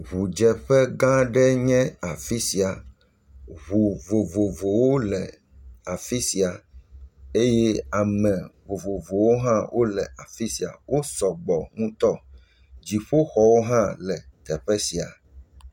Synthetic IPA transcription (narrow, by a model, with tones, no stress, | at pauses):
ɣu˨d͡ʒɛ˨ɸɛ˦ɡã˦ɖɛ˦ɲɛ̃˦a˨fi˦si˨a˨ | βu˨vo˨vo˨vo˨wo˦lɛ˨ | a˨fi˦si˨a˨ | e˦jɛ˦a˨mɛ̃˨vo˨vo˨vo˨wo˦ɦã˦wʔo˦lɛ˨a˨fi˦si˨a̰˨wo˦sɔ˨ɡ͡bɔ˨ŋũ˦t̪ɔ˦ | d͡ʒi˨ɸo˦xɔ˨wo˦ɦã˦lɛ˨t̪ɛ˨ɸɛ˦si˨a̰˨